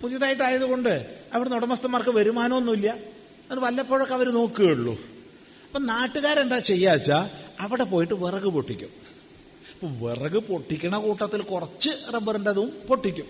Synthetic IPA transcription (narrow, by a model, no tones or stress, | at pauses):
puðijɐðaːjiʈ̬ːaːjɐðuɣo̞ɳɖɨɐʋiɽenoɽɐmɐst̪ɐmːaːrkɨʋɐɾumaːnɐmonːuilːjɐ | ɐnːʋɐlːɐpːoːɻokːɐʋɐɾuno̞ːkːɨɣeːɽɭːṵ | ɐpːoːnaːʈːuɣaːɾe̞nd̪aːt͡ɕe̞jːaːt͡ɕːaɐʋiɽe̞po̞ːjiʈːɨʋerɐɣɨpo̞ʈːikʲːṵm | ɐpːoʋerɐɣɨpo̞ʈːikʲːɐɳɐkuːʈːɐt̪ːilkurɐt͡ɕːɨrebːɐrɨndeðuumpo̞ʈːikʲːum